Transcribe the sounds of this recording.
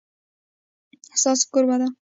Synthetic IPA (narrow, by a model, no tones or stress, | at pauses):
asɒs̚kʲɵɾmad̪ɪ